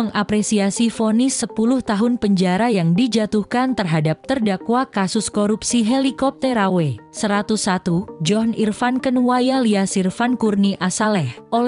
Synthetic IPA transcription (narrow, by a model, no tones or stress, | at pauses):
əŋʔapɾesiasifonisəpulʊht̪aɦʊnpəɲd͡ʒaɾajaŋdid͡ʒat̪uhkant̪ərɦadap̚t̪ərdakwakasʊskoɾupsiɦelikɔp̚t̪ɛɾawesəɾat̪usat̪ud͡ʒɔnirfankənwajaliasirfankurniʔasalɛhʔol